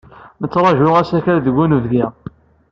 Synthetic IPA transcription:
mət͡sːɾˤɑʒʊʁæsæçæɾðəɡunvðiʁ

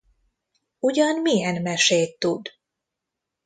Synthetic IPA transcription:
uɟɒnmijɛnmɛʃeːt̪ːud̪

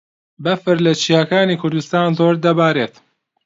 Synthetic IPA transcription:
bɐfɨɾlɐt͡ʃʰiːakaːniːkʰʊɾd̪ust̪aːnzoːɾd̪ɐbaːɾeːt̪

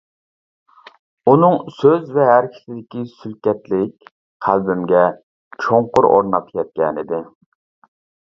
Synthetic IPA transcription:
unɨŋsøzvɛɦæɾkʲʰɪ̥sɪd̪ɪkʲisylkʲɛt̪lɪk̚ʲ | qʰælbɪmɡʲɛ | t͡ʃʰoɴqʊɾʔo̰ɾnɑt̪ʰɨ̥jʲɛt̪̚kʲɛnɪd̪ɪ

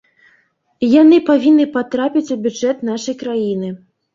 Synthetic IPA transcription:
janɨpavʲinːɨpat̪ɾapʲit͡sʲubʲud͡ʐɛt̪naʂɐjkɾajinɨ

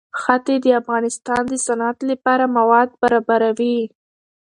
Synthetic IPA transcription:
xat̪ed̪əafɣɑnɪst̪ɑnd̪əsanat̪lapɑɾamawɑd̪̚baɾɑbaɾawi

